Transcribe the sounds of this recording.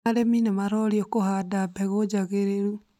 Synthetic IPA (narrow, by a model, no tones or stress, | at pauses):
aɾeminemaɾɔɾiɔkoɦadabɛɣod͡ʒaɣeɾeɾu